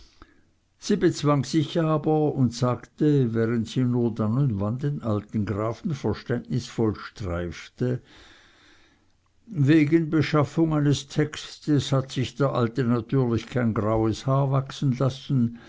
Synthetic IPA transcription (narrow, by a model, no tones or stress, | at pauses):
z̥iːbət͡sv̥aŋsɪçʔaːbɐʊntsaːɡtəvɛːʁəntsiːnuːɐdanʊndvandenʔaltn̩ɡʁaːfn̩fɛɐʃtɛntnɪsfɔlʃtʁ̥aɪftə | veːɡənbəʃafʊŋaɪnəstʰɛkstəshatsɪçd̥eːɐʔaltənatʰyːɐlɪçkʰaɪnɡʁaʊəshaːɐvaksn̩lasn̩